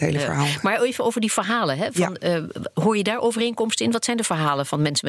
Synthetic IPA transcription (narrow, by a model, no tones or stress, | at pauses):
ɦḛlə̰ɦalmaːɹevənowvəɹdiv̥əɹɦaːləɦɛv̥ɑnəɦʊːɹjədaːɹowvərejŋkɔmstəɪnʋɑtsɛjndəvəɹɦaːləv̥ɑnmɛnsə